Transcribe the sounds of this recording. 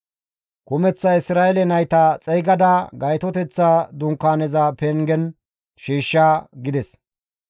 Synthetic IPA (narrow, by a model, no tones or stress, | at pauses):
kʊmɛt͡sːɐɪsɾaːɛlɛnɐjt̪ɐt͡sʼɛjɡɐd̪ɐɡɐjt̪ɔt̪ɛt͡sːaːd̪ʊŋkːaːnɛzɐpɛŋɡɛn | ʃiːʃːaːɡɪd̪ɛs